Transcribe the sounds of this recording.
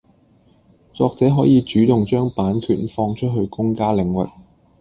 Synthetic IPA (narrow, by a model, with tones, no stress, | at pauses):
t͡sɔː˨˧k̚t͡sɛː˨˥ɦɔː˨˥jiː˨˧t͡ʃyː˨˥t̪ʊ˨ŋt͡ʃœː˥ŋpaː˨˥nkʰyː˨˩nfɔː˧ŋt͡ʃʰɵ˥t̚ɦɵ˧ɥkʊ˥ŋkaː˥lɪ˨˩ŋwɪ̰˨˩k̚